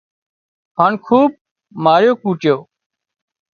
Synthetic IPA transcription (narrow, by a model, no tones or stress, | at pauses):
ɦaːɳkʰuːb̚ | maːɾjoːkuːʈjoː